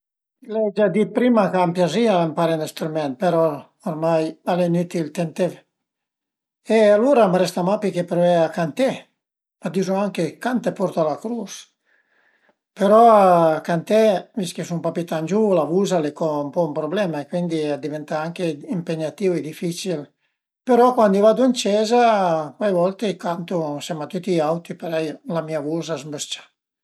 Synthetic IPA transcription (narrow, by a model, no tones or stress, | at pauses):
lɛd͡ʒad̪ipɾimakampjaziaampaɾenɛst̪ɾumɛnt̪̚peɾɔ | oɾmajalenyt̪ilt̪ɛnt̪ev | ealuɾamɾɛst̪amapikepeɾɛakant̪ɛ | mad̪izoaŋkekant̪epɔɾt̪alakɾus | peɾɔakant̪ɛviskesumpapit̪and͡ʒulavuːzalekɔumpɔumpɾoblɛmaekwind̪iad̪ivɛnt̪aaŋkeimpeɲat̪iːved̪ifit͡ʃil | peɾɔkwand̪ivad̪uint͡ʃɛːzakwajvɔlt̪ekant̪usɛmat̪ut̪ːiawt̪ipeɾɛjlamiavuːzazmbəst͡ʃḁ